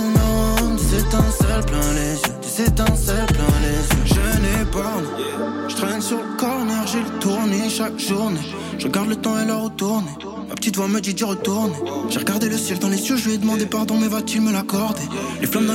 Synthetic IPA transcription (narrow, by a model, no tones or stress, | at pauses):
nɔ̃sɛt̪ɛ̃sɛlplɛ̃lezjøt̪sɛt̪ɛ̃sɛlplɛ̃lezjø̰ʒənepaʁnẽ | ʒ̥ə̥t̪χɛnsyʁləkɔʁnɛʁʒelət̪uʁneʃakʒuʁne | ʒ̥əʁəɡaʁd̪lət̪ɑ̃ɛlaʁət̪uʁne | ma̰pə̥t̪it̪vwaməd̪id̪iʁət̪uʁneʒeʁəɡaʁd̪eləsjɛld̪ɑ̃lesjøʒəvɛd̪əmɑ̃d̪epaʁd̪ɔ̃mɛvat̪ilməlakɔʁd̪eleflɑ̃d̪ɑ̃